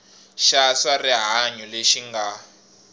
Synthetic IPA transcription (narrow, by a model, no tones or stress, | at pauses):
ʃasariɦaɲuleʃiŋɡa